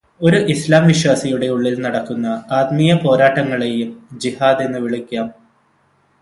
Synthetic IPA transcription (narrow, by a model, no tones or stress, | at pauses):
o̞ɾuʔislaːmʋiɕwaːsɐjuɽe̞uɭːilnɐɽɐkːunːɐaːd̪mijɐpo̞ːɾaːʈːɐŋːɐɭe̞jumd͡ʑihaːd̪e̞nːɨʋiɭikʲːaːm